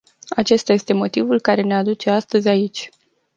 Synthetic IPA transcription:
at͡ʃe̞st̪aje̞st̪e̞mo̞t̪ivulkaɾe̞ne̞ad̪ut͡ʃe̞ast̪əzʲait͡ʃʲ

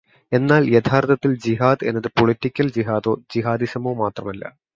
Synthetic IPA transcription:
e̞nːaːljet̪ʰaːrt̪ʰɐt̪ːild͡ʑiɦaːd̪e̞nːɐðɨpoɭitːikʲːɐld͡ʑiɦaːðo̞ːd͡ʑiɦaːd̪iɕɐmoːmaːt̪rɐmɐlːɐ̰

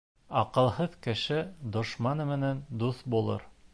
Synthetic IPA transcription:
ɑqɤ̆lˠhɤðkɘ̆ʃɘd̪ŏʃmɑnɤmɘ̆nænd̪uθbulˠɤ̰ɾ

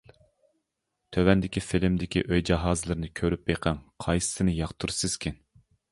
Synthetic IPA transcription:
t̪ʰøwɛnd̪ɪkʲifɪlɪmd̪ɪkʲiʔøjd͡ʒɑɦɑːzɨlˠɨɾnɨkʲʰøɾyp̚beqʰɛŋqʰɑjsɨ̥sɨnɨjɑqt̪ʰuɾsɨz̥kʲʰin

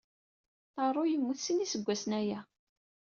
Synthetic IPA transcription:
t̪ɑrˤːʊjəmːuθsinisəɡʷːæsənæjæ

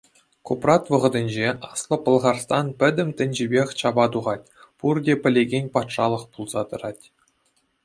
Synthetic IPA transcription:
kuprɑt̪ʋɤ̆ʁɤ̆d̪ʲɘ̆nʲd͡ʑeʔɑslˠŏpɤ̆lˠʁɑrst̪ɑnpʲɘ̆dʲɘ̆mt̪ʲɘ̆nʲd͡ʑibʲexʲt͡ɕɑbɑt̪uʁɑt̚ʲ | purdʲepʲɘ̆lʲeɡʲenʲpɑt̪ʂɑlˠɤ̆χpulˠzɑt̪ɤ̆rɑtʲ

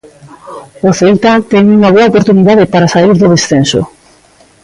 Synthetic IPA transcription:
oθelt̪at̪ɛŋuŋaβ̞oaopoɾt̪uniðaðepaɾasaiɾðoðesθenso̰

